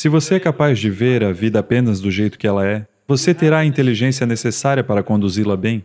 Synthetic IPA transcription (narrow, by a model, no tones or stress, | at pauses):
sɪvoseɛkapazd͡ʒɪveɾɐvid̪ɐapẽnɐzd̪ʊʒejt̪ʊ̥kɪɛlɐɛ | voset̪eɾaɐĩnt̪eliʒẽsiɐnesesaɾiɐpaɾɐkõnd̪uzilɐbẽj̃